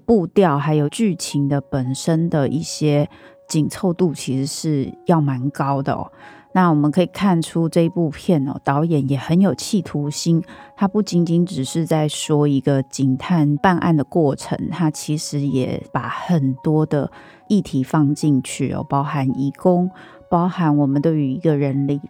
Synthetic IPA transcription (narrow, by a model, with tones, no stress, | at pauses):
pu˥˧t̪jɑ˥˩ʊxa˧˥ɪjo˨˩ʊt͡ɕy˥˩t͡ɕʰi˧˥ŋd̪ə˨pə˨˩nʂə˦˥nd̪ə˨ʔi˥˩ɕjɛ˦˥ | t͡ɕi˨˩ŋt͡sʰo˥˧ʊt̪u˥˩t͡ɕʰi˧˥ʂɻ̩˧˦ʂɻ̩˥˧jɑ˥˩ʊma˧˦nkɑ˦˥ʊd̪ə̰˨ɔ̰˨˩ | na˥˩wɔ˨˩mə˨nkʰɤ˧˥i˨˩kʰa˥˩nʈ͡ʂʰu˦ʈ͡ʂɤ˥˧i˧˥pu˥˧pʰjɛ˥˩nɔ̰˨˩t̪ɑ˧˦˥ʊjɛ˨˦njɛ˨˩xə˧˦njo˨˩ʊt͡ɕʰi˥˩t̪ʰu˧˥ɕi˥nt̪ʰa˥pu˥˩t͡ɕi˧˥nt͡ɕi˧˥nʈ͡ʂɻ̩˨˩ʂɻ̩˥˧t͡sa˥˩ɪʂwɔ˥i˧˥ɡə˧t͡ɕi˨˩ŋt̪ʰa˥˧npa˥˧nʔa̰˥˩nd̪ə˩kwɔ˥˩ʈ͡ʂʰə̰˧˥ŋt̪ʰa˥t͡ɕʰi˧˥ʂɻ̩˧˥jɛ̰˨˦pa˨˩˦xə˨˩nt̪wɔ˥d̪ə̰˨ | i˥˩t̪ʰi˨˦fɑ˥˧ŋt͡ɕi˥˧nt͡ɕʰy˥˩ɔ̰˧˩pɑ˥ʊxa˧˦ni˧˥kʊ˥ŋ | pɑ˥ʊha˧˥nwɔ˨˩mə˦nt̪we˥˩ɪy˧˥i˧˥ɡə˨ɻə˧˦˥nli˨˩